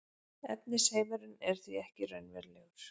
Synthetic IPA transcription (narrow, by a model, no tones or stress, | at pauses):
ɛ̰t̪nɪsheːjmɛɾʏnɛɾ̥θviɛhcɪrœɥnvɛ̰ɾlɛɣʏɾ̥